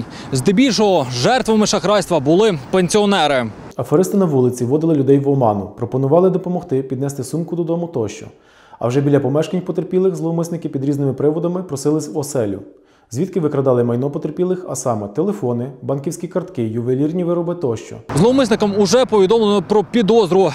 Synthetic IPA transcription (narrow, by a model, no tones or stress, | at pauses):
zd̪ɪbʲilʲʃɔɦɔʒɛrt̪ʋɐmɪʃɐxɾɑjst̪ʋɐbʊlˠɪpenʲsʲiɔnɛɾɪ | ɐfeɾɪst̪ɪnɐʋulˠɪt͡sʲiʋɔd̪ɪlˠɪlʲʊd̪ɛjʋɔmɑnʊpɾɔpɔnʊʋɑlˠɪd̪ɔpɔmɔxt̪ɪpʲid̪nɛst̪ɪsumkʊd̪ɔd̪ɔmʊt̪ɔʃt͡ʃɔ̰ | ɐ̰wʒɛbʲilʲɐpɔmɛʃkɐnʲpɔt̪erpʲilˠɪxzlˠɔɦɔmɪsnɪkɪpʲid̪ɾʲiznɪmɪpɾɪʋɔd̪ɐmɪpɾɔsɪlˠɪsʲwɔsɛlʲʊ̰ | zʲʋʲit̪kɪʋɪkɾɐd̪ɑlˠɪmɐjnɔpɔt̪erpʲilˠɪxɐ̰sɑmɛt̪elˠefɔnɪbɑnkʲiwsʲkʲikɐrt̪kɪjʊʋelʲirnʲiʋɪɾɔbɪt̪ɔʃt͡ʃɔ̰zlˠɔɔmɪsnɪkɐmʊʒɛpɔʋʲid̪ɔmlˠnɔpɾɔpʲid̪ɔzɾʊ